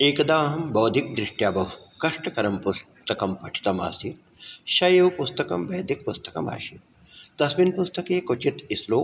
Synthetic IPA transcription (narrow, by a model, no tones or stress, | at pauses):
eːkɐd̪aːɦɐmbɐwd̪ʱik̚d̪ɾɪʂʈjaːbɐwkɐʂʈɐkɐɾɐmpus | t̪ɐkɐmpɐʈʰi̥t̪ɐma̰ːsit̪̚ | ʃɐjeʋpust̪ɐkɐmʋɐːd̪ʱik̚pust̪ɐ̥kɐma̰ːʃit̪̚ | t̪ɐsʋinpust̪ɐkeːkot͡ʃit̪isloː